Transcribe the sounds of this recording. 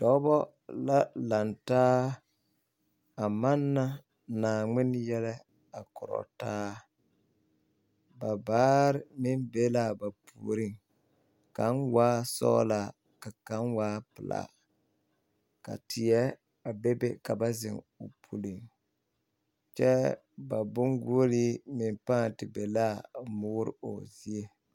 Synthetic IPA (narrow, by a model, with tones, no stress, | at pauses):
d̥ɔ˨˦bɔ˦ | la˦la˨ntaː˦ | a˨ma˦nːa˦ | naː˨ŋ͡mɪ˦njɛ˦lɛ˦ | a˨kʊ˨ɾɔ̰˨taː˦ | ba˨baː˦ɾɪ˦mɪ˦nbe˦la˦˨ba˨pʰu˨ɾi˦˨ŋ | ka˨˦nwaː˦sɔ̰ː˦la˨ | ka˨ka˦nwaː˦pɪ˨la̰˨ | ka̰˨tʰɪ˨jɛ˦ | a˨be˦be˦ka˨ba˦zɪ̰˨ŋ | ʊ̰˨pʰu˨li˨ŋ | t͡ʃɛ˦ | ba˨bʊ˦ŋɡu˦o˦li˦mɪ˨npaː˦˨ntɪ˨be˨la˦˨mʊː˦ɾɪ̰˨o̰˨zi˦e˦